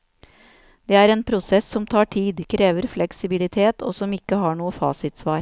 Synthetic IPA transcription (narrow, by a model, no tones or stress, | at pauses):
d̪̥eːæːɾeːnpʰɾʊsɛsːɔmt̪ʰɑːʈʰiːd̪kʰɾeːʋəɾflɛksɪbɪlɪt̪ʰeːt̪ʰo̰ːsɔmɪkːəhɑːɳuːəfɑ̰ːsɪt̪sʋɑːɾ